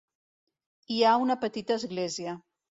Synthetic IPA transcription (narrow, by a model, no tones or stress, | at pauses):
iaunəpət̪it̪əːzɣlɛziə